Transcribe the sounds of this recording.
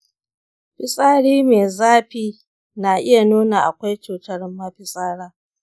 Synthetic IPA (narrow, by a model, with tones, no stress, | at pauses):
ɸɪ˦sʼaː˦ɽiː˦meː˨zaː˦ɸiː˦ | na˨ʔɪ˦ja˨nuː˦na˨ʔa̰˨kʷa˦jt͡ʃuː˨tɐ˦ɽmːa˦ɸɪ˨sʼaː˦ɽaː˦